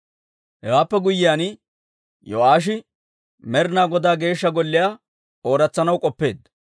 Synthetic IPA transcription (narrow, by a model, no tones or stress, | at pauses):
hɛwaːpːɛɡʊjːɪjaːnɪ | jɔ̰aːʃ̬ɪ | mɛɾɪnaːɡɔd̪aːɡe̞ːʃːɐɡɔlːɪjaː | o̞ːɾɐt͡sːɐnɐwkʼɔpːe̞ːd̪ɐ